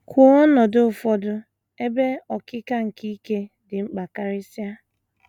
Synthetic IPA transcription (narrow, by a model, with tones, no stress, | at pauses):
kʰʷo˦ɔ˦nɔ˨dʊ˦ʊ˨fɔ˦dʊ˦ | e˦be˦ɔ˨kɪ˦ka˦ŋ̩˨ki˦ke˦ | dɪ˨ŋ͡m̩˦k͡pa˨ka˦ɾɪ˦sja˦